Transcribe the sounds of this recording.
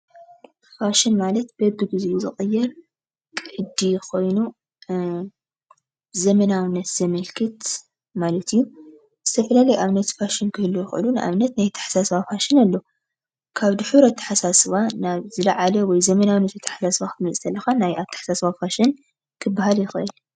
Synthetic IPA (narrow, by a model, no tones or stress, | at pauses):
faʃɪnmalɐt̪bɐbːɨɡɨziʔuzɨxʼɨjːɛɾ | kʼɨʕɨd̪ikʰo̞jnu | zɐmɐnawɨnːɐt̪z̥ɐmɐlkʰɨt̪ | malɐt̪ʰɨjːu | z̥ɨt̪ʰɐfɐlalɐjʔaβnɐt̪faʃɪnkʰɨhɨlːujɪxʔɨ̰lunɨʔa̰βnɐt̪najt̪ʰːɐ̥ħḁsasɨβafaʃɪnalːo | kʰaβd̪ɨħuɾɐt̪ʰːḁħasasɨβanaβzɨlɐʕalɐwɔjzɐmɐnawɨnːɐt̪ɐt̪ʰːḁħasasβaxt̪ɨmɨt͡sʼt̪ʰɐlːɐxanajʔaβt̪ʰɐ̥ħasasβafaʃɪn | kʰɨbːaɦaljɪxɨʔɨl